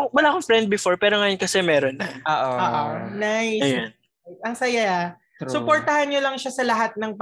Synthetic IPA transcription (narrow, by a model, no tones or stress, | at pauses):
wɐlaːkoŋfɾɛnd̪̚bɪfoɹpɛːɾoŋɐjonkɐsɛmɛːɾonːɐʔoːʔooːʔonajsɐan | ɐŋsɐja | sʊpoɹt̪ɐhɐnɲolɐŋʃasɐlɐɦat̪̚nɐŋp